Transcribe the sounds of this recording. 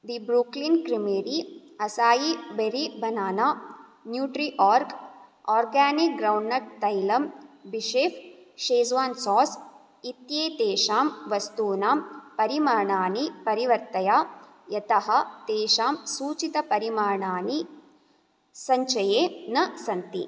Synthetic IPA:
ʋibɾuːklinkɾimeːɾi | ɐsaːjibeɾibʱɐnaːnaː | njuːʈɾiʔaːɾkɔːɾɡaːnik̚ɡɾɐwɳɖːɐʈ̚t̪ɐjlɐmbiʃeːfʃeːzʋaːnsɔːs | it̪jeːt̪eːʃaːmʋɐst̪uːnaːmpɐɾimaːɾɳaːnipɐɾiʋɐɾt̪ɐjaː | jɐt̪ɐɦɐt̪eːʃaːmsuːt͡ʃit̪ɐpɐɾimaːɾɳaːni | sɐɲt͡ʃɐjeːnɐsɐnt̪ḭ

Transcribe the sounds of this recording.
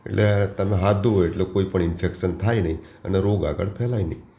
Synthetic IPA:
ḛʈlʔet̪əmeɦad̪ʱːuoeʈlekoipəɳɪnfekʃənt̪ʰajnəi | ə̰neɾoɡa̰ɡə̰ɭpʰɛlajnə̰i

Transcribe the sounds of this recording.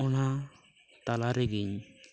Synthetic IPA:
ɔna | t̪alaɾɛɡiɲ

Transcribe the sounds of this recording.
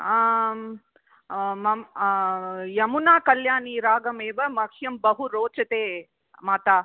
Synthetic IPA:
mɐm | jɐmunaːkɐljaːniːɾaːɡɐmeːʋɐmɐkʰjɐmbɐɦuɾoːt͡ʃɐt̪eː | maːt̪aː

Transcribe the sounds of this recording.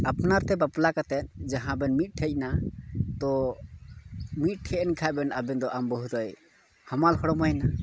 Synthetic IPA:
apnaɾt̪ɛbaplakat̪ɛt̪̚d͡ʒaɦãbɛnmit̪̚ˀʈʰɛc̚ˀnat̪ɔ | mit̪̚ˀʈʰɛɛnkʰajbɛnabɛnd̪ɔʔambɔɦud̪ɔj | hamalhɔɽɔmɔjna

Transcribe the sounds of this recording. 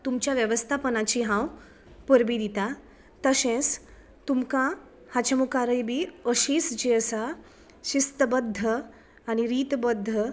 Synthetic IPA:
t̪umt͡ɕjaʋjəʋəst̪ʰapənat͡ɕiɦãw | pəɾbid̪it̪a | t̪əsẽs | t̪umkã | hat͡ɕəmukaɾəjbʱiːəɕiːsd͡ʑiəsa | ɕist̪əbəd̪ʱːə | aɽ̃iɾiːt̪bəd̪ʱːə

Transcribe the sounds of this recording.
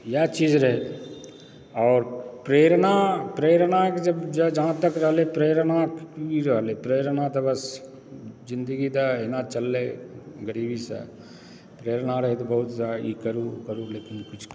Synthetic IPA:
jɛt͡ʃiːd͡ʒɾɐɦe | ɔːɾpɾeːɾnapɾeːɾnaked͡ʒɐbd͡ʒɛd͡ʒaɦãt̪əkɾəɦlepɾeːɾnakːiɾɐɦlepɾeːɾnat̪ɐbɐs | d͡ʒɪ̃nd̪əɡit̪aɪnat͡ʃɐlːeɡəɾiːbʱisḛ | pɾeːɾnaɾɐɦet̪̬obɐɦʊt̪zaikəɾukəɾuleːkɪnkʊt͡ʃʰ

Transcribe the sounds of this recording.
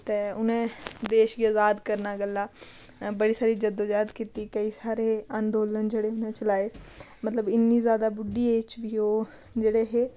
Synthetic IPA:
t̪eːʊnẽːd̪eːʃɡiəzaːd̪kəɾnaːɡəlːaː | bəɽiːsaːɾiːd͡ʒəd̪oːd͡ʒaːd̪kiːt̪iːkəiːsaːɾeːand̪oːlənd͡ʒeːɽeːʊnẽːt͡ʃəlaːeːmət̪ləbɪnːiːzjaːd̪aːbʊɖiːeːt͡ʃʋiːoː | d͡ʒeːɽeːɦeː

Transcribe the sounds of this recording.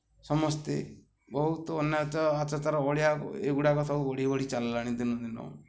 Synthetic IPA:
sɔmɔst̪e | bɔɦut̪ɔɔnjɔt͡ʃɔat͡ʃat͡ʃaɾɔɔɽjaeɡuɽakɔt̪ʰabuɔɽ̤ibɔɽ̤it͡ʃallaɽ̃id̪inɔd̪inɔ̰

